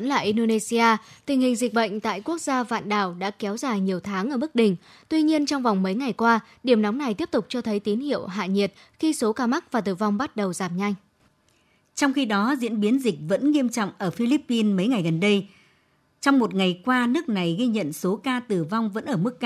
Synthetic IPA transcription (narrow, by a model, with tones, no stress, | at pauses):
nlaː˨˩ʔi˧nɗo˧ne˧si˧aː˧t̪ï˨˩ŋ̟hï˨˩ŋ̟zï˨˩k̟̚ɓə̰˧˨jŋ̟t̪a̰ː˧˨jku˦˥ək̚zaː˧va̰ː˧˨nɗaː˧˩wɗa̰ː˧˥kɛ˨˦wzaː˨˩jɲi˨˩əwt̪ʰaː˨˦ŋʔəː˧˩mɨ˦˥k̚ɗï˨˩ŋ̟ | t̪wi˧ɲi˧ənt͡ɕɔ˧wŋ͡mvɔ˨˩wŋ͡mmə˨˦jŋa˨˩jkwaː˧ | ɗi˧˩əmnɔ˨˦wŋ͡mna˨˩jt̪i˦˥əp̚t̪ʊ˨˩k͡p̚t͡ɕɔ˧t̪ʰə˨˦jt̪i˨˦nhḭ˧˨əwɦa̰ː˧˨ɲi˨˩ət̚ | xi˧so˨˦kaː˧ma˦˥k̚vaː˨˩t̪ɨ˧˩va˧wŋ͡mɓa˦˥t̚ɗə˨˩wzaː˧˩mɲa˧jŋ̟ | t͡ɕɔ˧wŋ͡mxi˧ɗɔ˨˦zḭ˧˥ənɓi˨˦nzï˨˩k̚və̰˧˥nŋi˧əmt͡ɕɔ̰˧˨ŋ͡mʔəː˧˩fi˧li˦˥pːi˧nmə˨˦jŋa˨˩jɣə˨˩nɗə˧j | t͡ɕɔ˧wŋ͡mmo˨˩t̚ŋa˨˩jkwaː˧nɨ˦˥ək̚na˨˩jɣi˧ɲə̰˧˨nso˨˦kaː˧t̪ɨ˨˩va˧wŋ͡mvə̰˧˥nʔəː˧˩mɨ˦˥kː